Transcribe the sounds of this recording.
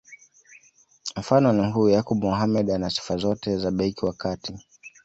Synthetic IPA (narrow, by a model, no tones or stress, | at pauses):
m̩fanɔnihuːjakɔɓumuɦamɛɗanasi̥fazɔtɛzaɓɛikiwakati